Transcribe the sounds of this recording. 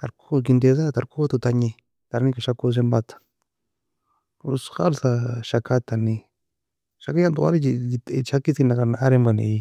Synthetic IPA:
aɾkok̬ind̪eðat̪aɾkot̪ut̪aɲĩ | t̪aɾnĩkaʃakos̬embat̪ḁ | usxaɾsaʃakat̪anĩ | ʃakajand̪oʔa̰ɾit͡ʃiit̪t͡ʃakisinakanaʔaɾembanḛi

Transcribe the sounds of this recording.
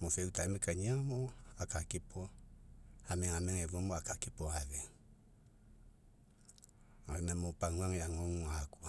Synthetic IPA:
mɔsɛutaɛmɛkaɲiamɔakakɪpɔ | amɛŋamɛŋɛvomɔakakipɔaðɛ | anamopaŋaŋjaŋɔŋakwa

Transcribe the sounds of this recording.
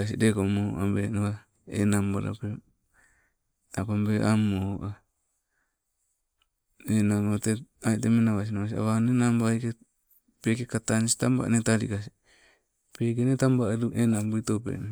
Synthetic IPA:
as̬idekomoʔa̰mbenawa | ḛnambaɾa̰pe | apambeʔamoʔa | enamoteaitemenaβas̬inaβas̬ia̰βanenambaike | pekekat̪ansi̥t̪amba̰ʔnetaɾḭkas̬i | pekenetambaɾuʔenambuitopḛn

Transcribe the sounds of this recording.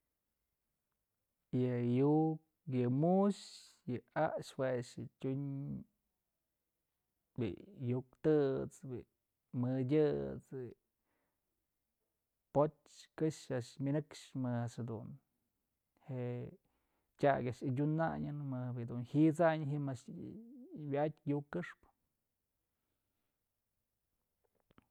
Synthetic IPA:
jɨjuk̚ | jɨmuʃ | jɨaʔʂweʂɨtʲuɲ | bḭjuk̚t̪ɨt͡sbḭʔ | mɨdʲɨt͡si | potʲ | kɨʂaʔʂmʲinɨkʂmɨaʂhad̪ṵn | heʔ | tʲa̰ɡaʔʂɨdʲuna̰ɲɨnmɨbid̪unhit͡saɲɦimaʂ | bʲatʲjukːɨʂpɨ̥

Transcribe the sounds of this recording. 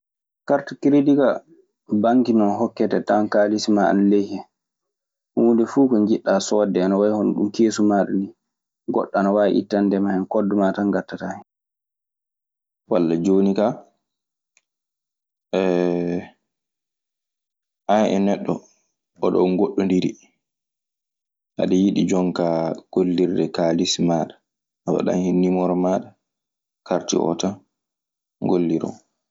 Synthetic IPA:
kaɾtakiɾedika | baŋkinɔnɦɔkːɛtɛtankaːlisimaa̰nalejhɛ | hundɛfuːkɔɲd͡ʒiɗːaːsɔdɛanawajhɔnɗṵmkeːsumaɗɔ̰ni | ɡɔ̰ɗːɔanawaj̰ʔḭtːandɛmahɛnkɔdːɔmataŋɡatːatahɛ | walːad͡ʒoːnika | ɛ | ʔaɛ̰nɛɗːɔ | ɔɗɔ̰ŋɡoɗːɔndiɾi | ʔa̰ɗɛjiɗid͡ʒɔŋkaɡ̥olːiɾdɛkalismaɗa | awa̰ɗa̰nhinːimɔɾɔmaɗa | kʰaɾtḭʔɔ̰ta | ŋɡolːiɾɔ̰n

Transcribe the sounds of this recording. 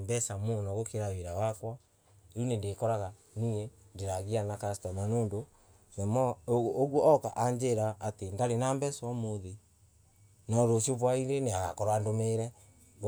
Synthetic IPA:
mbɛsamonɔɣokeɾaweɾawakwɔ | eunendekɔɾaɣa | niendeɾaɣianakastɔmanoːndo | nɛmɔːɣwɔɔka̰ʔaɲd͡ʒeɾaʔːtendaɾenambɛsɔmoði | nɔɾosioβwaiɾeneaɣa̰kɔɾwandomeɾɛ

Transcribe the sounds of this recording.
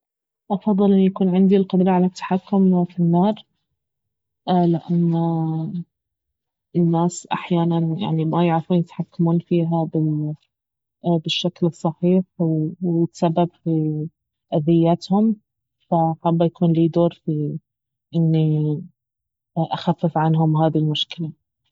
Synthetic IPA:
ʔɑfɑðˤːɨlʔɪnːujakuːnʕɪnd̪ilqʊd̪ɾˤɑʕalat̪ːḁħakːʊmfinːɑːɾˤ | ʔlɪʔanː | ɪnːaːsʔa̰ħjaːnanja̰ʕnimajaʕɾafuːnjɪt̪ħakːamuːnfiːɦabɪ | bɪʃːaklɨsˤːɑħiːħwwɪsabːabfi | ʔaðɪjːat̪hʊm | faħabːajakuːnliːd̪oːɾfi | ʔɪnːi | ʔaxafːɪfʕanɦʊmɦaːðilmʊʃkɪla

